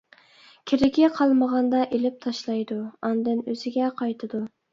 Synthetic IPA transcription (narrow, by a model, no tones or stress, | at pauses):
kʲʰeɾɪkʲiqʰɑlˠməʁɑnd̪ɑʔelɪp̚t̪ʰɑʃlˠɑjd̪uɑnd̪ɨnøz̥ɪɡʲɛqʰɑjt̪ʰɨd̪u